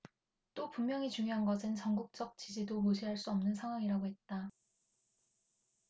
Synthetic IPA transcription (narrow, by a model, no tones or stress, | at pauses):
t͈opumːjʌŋit͡ɕuŋjoɦanɡʌsʰɯnt͡ɕʌŋɡuk̚t͡ɕ͈ʌk̚t͡ɕ͈id͡ʑidomoɕʰiɦaɭs͈uʌmnɯnsʰaŋɦwaŋiɾaɡoɦe̞t̚t͈a